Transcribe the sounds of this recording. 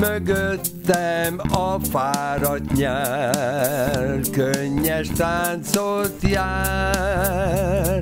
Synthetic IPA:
møɡøt̪ːɛmɒfaːɾɒt̪ɲaː | rkøɲːɛʃt̪aːnsolt̪jaː

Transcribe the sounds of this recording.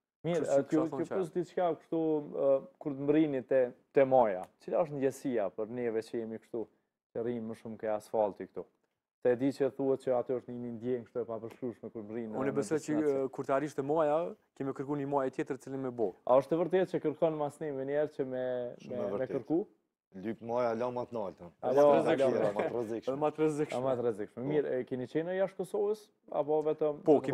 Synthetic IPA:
miɾkjupəʃd̪it͡ʃkakʃt̪u | kuɾt̪mɾinit̪ɛt̪ɛmaja̰t̪ət͡silaɔʃt̪ndɛsiapəɾnɛvɛt͡ɕəjɛmikʃt̪u | t͡ʃərinməʃumkɛasfalt̪ikt̪u | sɛd̪it͡ɕəθuhɛt̪̚t͡ɕəat̪ɛɔʃt̪nɛmind̪jɛŋkəʃt̪uɛpapəɾʃkɾuʃmɛkuɾt̪mɾinunɛbɛsɔjt͡ʃəkuɾt̪aɾiʃt̪ɛmajakɛmɛkəɾkunimajɛt̪jɛt̪ɾət͡silinmɛbɔa̰ɔʃt̪əvəɾt̪ɛt̪̚t͡ʃəkəɾkɔnmasnimɛnɛɾt͡ʃəmɛmɛəɾmɛkəɾku | lypmajalamat̪nalt̪əaaɔɛzilaarɛzikʃɛðɛmat̪ɾɛzikʃmat̪rɛzikʃmɛmiɾkɛnit͡ʃɛnəjaʃ̚kɔsɔvəs | a̰pɔvɛt̪əmpɔk

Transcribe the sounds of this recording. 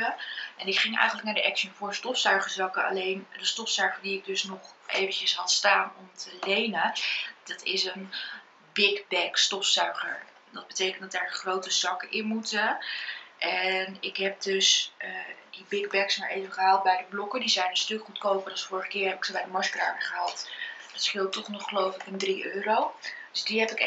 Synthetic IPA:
əɛnɪkχɪŋʔɛ̰jχənlək̚naːɹdəʔɛkʃənvʊːɹstɔfsœɥχəɹzɑkəɑ̰lejndəstɔfsœɥχəɹdiɪɡ̚dɵsnɔχʔḛjvəncəsɦɑtstaːnɔmtʰəlejnəd̥ɑtʰɪsən | bɪkbɛkstɔfsœɥχə̰ɹ | dɑd̚bətejkəntdɑtdaːɹχrowtəsɑkəʔɪnmutə | ʔɛnɪkɦɛp̚døsədibɪɡbɛksmaɹʔejvəχəɦaːlˠt̚bɛjdəblɔkədizɛjnənstɵkχutkowpərɑlˠsfʊːɹəχəkɪːɹɦɛpɪksobɛjdəmɑsɡraːnəχəɦɑlˠtd̥ɑtsχɪlˠtːɔχnɔχχəlowflɪkəndriʔøːɾowd̥ɵsdiɦɛpɪk

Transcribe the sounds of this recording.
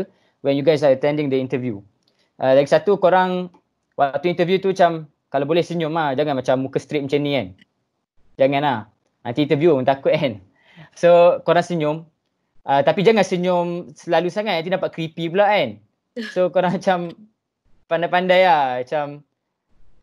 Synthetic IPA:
wɛnjuɡajs̬aət̪ɛ̃ndɪŋdəint̪əvju | ʔalaɡisat̪ukoɾaŋ | wak̚t̪uint̪əvjut̪uat͡ʃam | kalabolɛhsəɲʊmahd͡ʒaŋanmat͡ʃamːukəst̪ɾɪt̪̚mat͡ʃənĩan | d͡ʒaŋãnah | ant̪int̪əvjut̪akʊt̪̚an | sokoɾaŋsəɲʊm | ʔat̪apid͡ʒaŋansəɲʊmsəlalusaŋat̪̚ant̪inapaʔ̚kɾipipulaʔan | sokoɾaŋmat͡ʃam | pandajpandajahat͡ʃam

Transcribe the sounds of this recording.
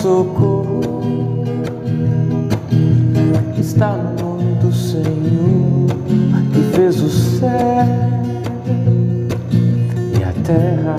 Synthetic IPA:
oko | ɪst̪anʊnõmɪd̪ʊseɲoɾkɪfezʊsɛ | iɐ̰t̪ɛɦɐ

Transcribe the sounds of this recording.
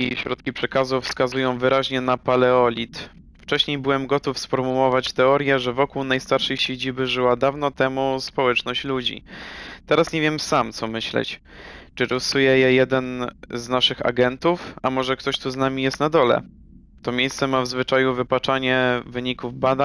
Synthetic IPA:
iɕɾɔt̪̚kʲipʂɛkazufskazujɔ̃w̃vɘɾaʑɲɛnapalɛɔlʲit̪ | ft͡ʂɛɕɲejbɘwɛmɡɔt̪ufsfɔɾmuwɔvat͡ɕt̪ɛɔɾʲjɛʐɛvɔkuwnajst̪aɾʂɛjɕed͡ʑibɘʐɘwad̪avnɔt̪ɛmuspɔwɛt͡ʂnɔɕt͡ɕlud͡ʑḭt̪ɛɾasɲevʲjɛmsamt̪sɔmɘɕlɛ̰t͡ɕt͡ʂɘɾɔsujɛjɛjɛd̪ɛnznaʂɘxa̰ɡɛnt̪ufamɔʐɛkt̪ɔɕt̪uznamʲijɛst̪nad̪ɔlɛ̰ | t̪ɔmʲjejst̪sɛmavzvɘt͡ʂajuvɘpat͡ʂaɲɛvɘɲikuvbad̪a

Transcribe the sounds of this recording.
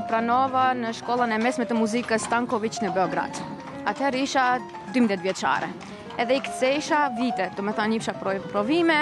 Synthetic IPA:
pɾanɔvanəʃkɔlˠənɛmɛsmɛt̪əmuzikəst̪aŋkɔvit͡ʃnəbɛɔɡɾa̰d̪̥ | at̪hɛɾiʃa | d̪ymd̪ðjɛt̪vjɛt͡ʃa̰ɾɛ̰ | ɛðɛikt̪sɛiʃavit̪ɛd̪umɛθanifʃapɾɔvimɛ

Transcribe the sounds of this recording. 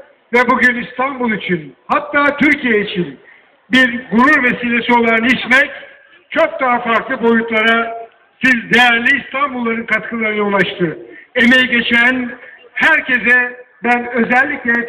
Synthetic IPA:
vɛbuɟynist̪ʰanbulˠit͡ʃʰinhat̪ːaːt̪ʰyɾcʰijeit͡ʃʰin | biɾɡuɾuɾve̞siːlʲe̞sio̞lˠaɾɯnɯit͡ʃmɛc | t͡ʃʰo̞k̚d̪aɦafaɾklˠɯbo̞jut̪lˠaɾa | sizd̪ejæɾlʲiːst̪ʰanbulˠːaɾɯnkʰat̪kʰɯlˠaɾɯnɯulˠaʃt̪ʰɯe̞me̞jiɟe̞t͡ʃʰæn | hæɾcʰe̞zɛbænø̞zɛlʲːiclʲɛ

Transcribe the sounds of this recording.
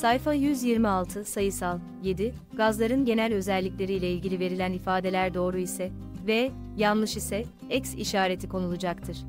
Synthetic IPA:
sajfajyzjiɾmialˠt̪ʰɯsajɯsalˠ | je̞d̪i | ɡ̥azlˠaɾɯnɟe̞nælʲø̞zɛlʲːicʲlʲeɾijlʲɛilʲɟilʲive̞ɾilʲænifaːd̪e̞lʲæɾd̪o̞ːɾuisɛ | vɛ | janlˠɯʃisɛ | ɛcsḭʃaːɾe̞t̪ʰikʰo̞nulˠud͡ʒakt̪ʰɯɾ̥

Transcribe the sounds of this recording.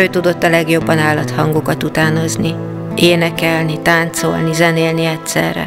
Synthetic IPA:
øːt̪ud̪o̞t̪ːɒlɛɡjo̞bːɒnaːlːɒt̪hɒŋɡokɒt̪ut̪aːno̞zni | eːnɛkɛlnit̪aːnt̪so̞̰lnizɛneːlniɛtsɛ̰rːɛ̰

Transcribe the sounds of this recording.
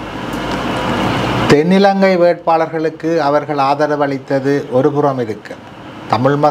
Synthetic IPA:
t̪ɛnːɪlɐŋɡɐɪʋeːʈ̚paːɭɐɾɣɐɭɯkːɯɐʋɐɾɣɐɭaːðɐɾɐʋɐɭɪt̪ːɐðɯʔɔɾɯpɯrɐmɪɾɯkːɐ | t̪ɐmɪɻmɐ

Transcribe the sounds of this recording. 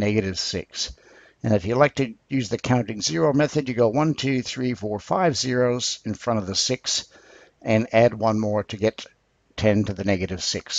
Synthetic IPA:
nɛɡɨɾɨv̥sɪ̰ks | ɨ̃nɨfjɨlaɪk̚tʰɨjʉzðɨkʰãʊ̃ntɪ̃ŋzɪɹoʊmɛθɨdjɨɡoʊwʌ̃ntʰʉθɹifɔɹfaɪvzɪɹoʊzɨ̃nfɹʌ̃ɾ̃ʌvðəsɪks | ɨ̃næd̚wʌ̃nmɔɹɾɨɡɛtʰ | ɛ̃ntɨðɨnɛɡɨɾɨv̥sɪks

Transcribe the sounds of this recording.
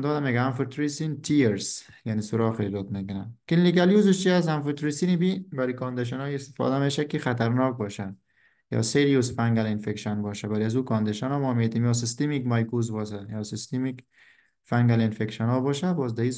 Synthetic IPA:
nd̪ɔd̪ameːɡaːmfɪɾt̪uɾisint̪ʰiɾs | janisʊɾɔxed͡ʒɔt̪mekʊnakɪnlikaljuzɪʃt͡ʃiasanfɪɾt̪uɾisinibibaɾikɔnd̪eʃ̬anɔiɪst̪ɪ̥fɔ̰d̪ameʃakɪxat̪aɾnɔːk̚bɔʃa | jɔ̰seɾijusfaŋɡalɪnfekʃɔnbɔʃabaɾiazukɔnd̪eʃanɔmɔːmed̪imjɔːs̬ɪst̪imikmajkuzbɔʃajɔːsɪst̪imik | faŋɡalɪnfekʃanɔːbɔʃabɔzd̪ai

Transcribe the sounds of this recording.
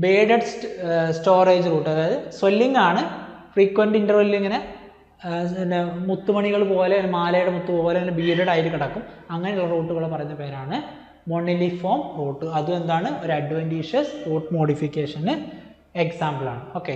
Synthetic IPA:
beːɖɐɖsʈsʈoːreːd͡ʑɨruːʈːɐðaːjɐðɨswelːiŋɡaːɳɨfriːkːʋɐnɖinɖɐrʋɐlːeŋːɐne̞ | mut̪ːumɐɳiɣɐɭpo̞ːleŋːɐnemaːlɐjuɽemut̪ːupoːjleŋːɐnebiːɾɐɽaːjiɾɨkiɽɐkːumɐŋːɐneuɭːɐruːʈːuɣɐɭepɐrɐjunːɐpe̞ːɾaːɳɨ | moɳilifo̞ːmroːʈːɨɐðume̞nd̪aːɳɨo̞ɾɐɖʋenɖiːʂɐsroːʈːɨmo̞ːɽifikʲːeːʂɐnɨ | eksaːmbɐla̰ːɳɨo̞ːkːe

